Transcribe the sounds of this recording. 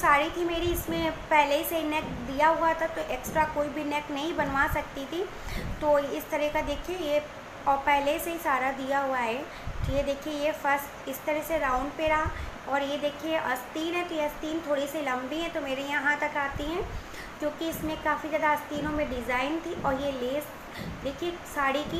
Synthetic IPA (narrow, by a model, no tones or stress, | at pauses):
saːɾit̪ʰimeːɾiɪsmẽpɛɦleseinɛkd̪ijaɦuat̪ʰat̪oʔeːksʈɾakoːibʱinɛknɐɦĩbɐnʋaːsɐkt̪it̪ʰi | t̪oːɪst̪ɐɾɛɦkad̪eːkʰieje | ɔːɾpɛɦleseɦisaːɾad̪ijaɦuaɦɛː | t̪ojed̪eːkʰiejefɐɾst̪ɪst̪ɐɾɛseɾãːʊ̃ɳɖpeɾaːɔːɾjed̪eːkʰieʔɐst̪iːnɦɛ̃t̪ojeɐst̪iːnt̪ʰoːɽisilɐ̃mbiɦɛ̃t̪omeːɾẽjɐɦãt̪ɐkaːt̪iɦɛ̃ː | kjõːkiɪsmẽkaːfizaːd̪aɐst̪iːnõmẽɖɪzaːɪnt̪ʰiʔɔːɾjeleːs | d̪eːkʰiesaːɽiki